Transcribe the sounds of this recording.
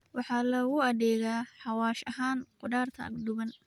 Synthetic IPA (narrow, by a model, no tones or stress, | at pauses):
wɑħɑːlɐɣʊɐðɛːɣaːħɑwaːʃɐɦaːnqʊɖaːrt̪ʰɐ̰ʔɐ̰ɡd̪ʊβɐn